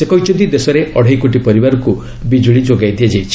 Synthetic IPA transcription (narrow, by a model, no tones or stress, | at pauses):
sekɔjt͡ʃɔd̪id̪esɔɾeʔɔɽʱajkoʈ̬ipɔɾibaɾɔku | bid͡ʒuɭid͡ʒoɡajd̪ied͡ʒajt͡ʃʰi̥